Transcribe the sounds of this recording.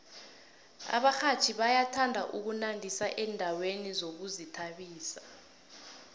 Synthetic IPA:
a̰ɓaxat͡ʃʰiɓajatʰandʱaʔuk̬unandʱisaʔɛndʱawenizok̬uzitʰaɓiːsa

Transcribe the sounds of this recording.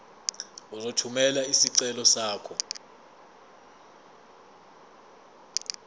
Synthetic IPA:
uzotʰumɛlaisiǀɛlɔsaːkʰɔ

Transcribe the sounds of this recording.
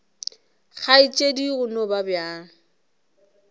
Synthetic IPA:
χʰait͡ʃʼediɣʊnɔbabja

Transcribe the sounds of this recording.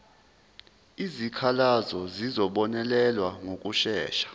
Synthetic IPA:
izikʰalazɔzizɔɓɔnɛlɛlwaŋok̬ʼuʃɛːʃḁ

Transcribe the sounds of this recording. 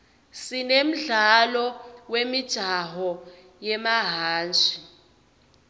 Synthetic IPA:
sinem̩ɮalɔwemid̥ʒ̥ʱaɦɔ | jɛmaɦaːnd͡ʒʱi

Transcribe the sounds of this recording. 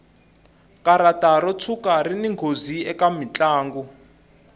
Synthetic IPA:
kaɾataɾɔt͡sʰukariniŋɡʱoziɛkamit͡ɬaːŋɡu

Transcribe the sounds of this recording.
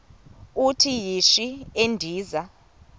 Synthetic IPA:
utʰijiʃiendʱiːza

